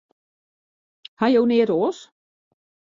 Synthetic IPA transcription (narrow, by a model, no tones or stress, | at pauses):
hajownɪːdoːs